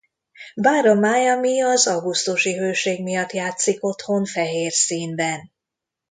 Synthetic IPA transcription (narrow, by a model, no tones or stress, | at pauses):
baːɾomaːjɒmiɒzɒwɡust̪uʃiɦøːʃeːɡmijɒt̪jaːt̪siko̞t̪ho̞nfɛɦeːrsiːnbɛn